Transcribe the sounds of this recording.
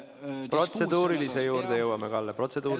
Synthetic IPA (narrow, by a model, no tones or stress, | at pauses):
pro̞t̪se̞d̪̥uːɾilisejuːrd̪̥e̞jɤwɑmekɑlːepro̞t̪se̞d̪uː